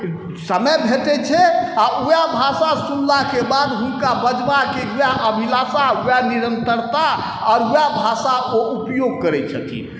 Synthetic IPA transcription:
səməjbʱeʈɛt͡ʃʰɛaʔujabʱasasunlakebad̪ɦunkabəd͡ʒbakeujaʔəbʱilasaujaniɾənt̪əɾt̪a | ɔɾujabʱasaoʔupjoɡ̚kəɾɛt͡ʃʰə̰t̪ʰḭ

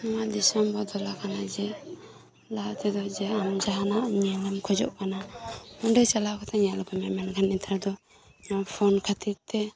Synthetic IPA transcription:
amaʔd̪isɔmbɔd̪ɔlakʰanad͡ʒɛ | lat̪ʰɛd̪ɔzɛamd͡ʒaɦanaʔnilamkʰɔd͡ʒɔ̰ʔkanamɔndajt͡ʃalakʰɔt̪ʰaɲalɔkʰɔmɛmɛnkʰanit̪ʰaɾd̪ɔ | nɔpʰɔnkʰat̪ʰit̪ːɛ

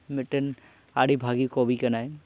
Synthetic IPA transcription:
mɪʈən | aɽibʱaɡikɔbʱikənaj

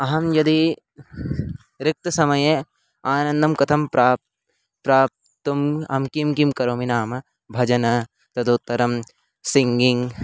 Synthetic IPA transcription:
ɐɦɐmjɐd̪i | ɾɪk̚t̪ɐsɐmɐjɐ | aːnɐnd̪ɐmkɐt̪ʰɐmpɾaːp | pɾaːp̚ | t̪umɐ̰mkimkimkɐɾoːminaːmɐ | bʱɐd͡ʒɐnɐ | t̪ɐd̪oːt̪ːɐɾɐm | siŋɡiŋ

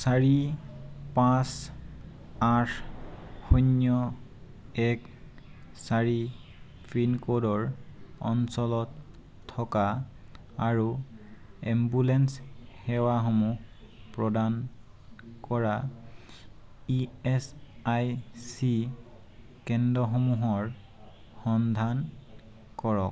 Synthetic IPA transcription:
saɹi | pãs | atʰxɔnjɔ | ɛk | saɹi | pʰɹinkɔdɔɹɔ̰nsɔlɔtʰː | ɔka | aɹu | ɛmbulɛnshɛwaxɔmuh | pɹɔdan | kɔɹa | iɛsajsi | kɛndɔxomuɦɔɹ | xɔnd̪ʱan | kɔɹɔk

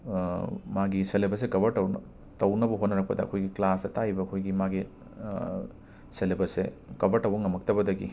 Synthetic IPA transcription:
maɡiselebɐs̬ekɐbʱɐɾtɐwn | tɐwnɐbɐɦotnɐɾɐk̚pɐdɐɐ̰kʰojɡiklasdɐtajbɐɐkʰojɡimaɡi | selebɐsḛkɐbɐɾtɐwbɐŋɐmɐk̚tɐbɐdɐɡḭ

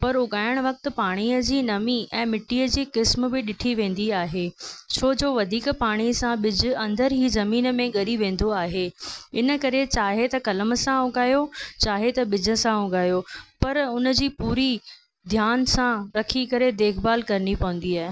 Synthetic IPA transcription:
pɐɾʊɡaːjəɽ̃ʋɐk̚t̪ɪ̆paːɽ̃iəd͡ʑiːnɐmiɛ̃ːmɪʈːiːəd͡ʑiːkɪsm̆bɪɗɪʈʰiʋẽːn̆d̪iaːɦet͡ɕʰoːd͡ʑoːʋɐd̪ʱiːkpaːɽ̃isãɓɪd͡ʑʊ̆ɐ̃nd̪əɾɦiːzɐmiːnə̆mẽɡɐɾiʋẽːn̆d̪oaːɦeɪnə̆kɐɾet͡ɕaːɦet̪ɐkɐləməsãʊɡaːjot͡ɕaːɦet̪ɐɓɪd͡ʑʱə̆sãʊɡaːjopɐɾʊnə̆d͡ʑiːpuːɾi | d̪ʱjaːnsãɾɐkʰikɐɾed̪eːkʰbaːlkɐɾənipɐʋə̃n̆d̪iaːɦe

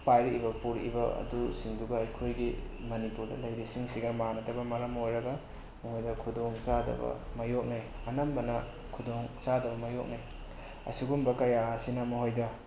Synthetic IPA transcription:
pajɾibɐpuɾḭbɐɐ̰dusiŋduɡɐːjkʰojɡimɐnipuɾdɐ̰lɐjɾisiŋsiɡɐmanɐdɐbɐmɐɾɐmojɾɐɡɐ | mɐhojdɐkʰudoŋzadɐ̰bɐ̰mɐjok̚najɐnɐmbɐnɐ | kʰudoŋzadɐbɐmɐjok̚naj | ɐ̰siɡumbɐkɐjasinɐmɐɦojdɐ

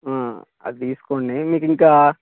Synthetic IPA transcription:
ãː | ɐ̰d̪t̪iːsu̥koːɳːemiːkiŋkaː

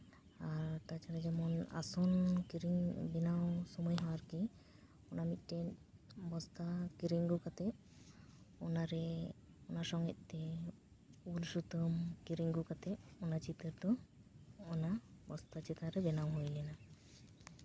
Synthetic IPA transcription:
aɾt̪at͡ʃaɾad͡ʒɛmɔna̰sɔnkiɾiŋbɛnawsɔmɔjɦɔwaɾki | ɔnamit̪̚ˀʈɛbɔst̪akiɾiŋɡukat̪ɛ | ɔnaɾɛ | ɔnasɔŋɡɛt̪̚ˀt̪ɛ | ulsut̪ɔmkiɾiŋɡukat̪ɛɔnat͡ʃit̪əɾd̪ɔː | nabɔst̪at͡ʃit̪aɾɛbɛnawɦujlɛna

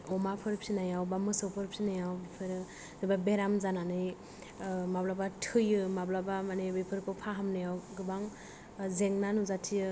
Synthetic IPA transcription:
ɔmapʰɯɾpʰsinajawbamɯsɯwpʰɯɾpʰsinajawbipʰɯɾɯ | zɯbabeɾamzananɯj | mablabatʰɯjɯmablabamanebepʰɯɾkʰɯpʰaɦamnɯjawɡɯbaŋ | zeŋnanuzatʰiɯ

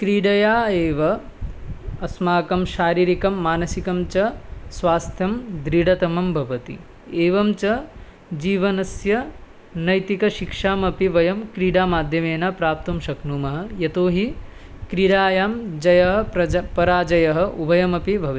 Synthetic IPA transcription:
kɾiɽɐjaːeːʋɐː | smaːkɐmʃaːɾiːɾikɐmːaːnɐsikɐmt͡ʃɐsʋaːst̪ʰjɐmd̪ɾiɽɐt̪ɐmɐmbʱɐʋɐt̪ḭ | eːʋɐmt͡ʃɐ | d͡ʒiːʋɐnɐsjɐ | nɐjt̪ikɐʃikʂaːmɐpiʋɐjɐmkɾiːɽaːmaːd̪ʱjɐmeːnapɾaːp̚t̪ɐmʃɐknuːmɐɦɐ̆jɐt̪oːɦi | kɾiɽaːjaːmd͡ʒɐjɐɦɐɐpɐɾaːd͡ʒɐjɐɦɐ̆ubʱɐjɐmɐpibʱɐʋi

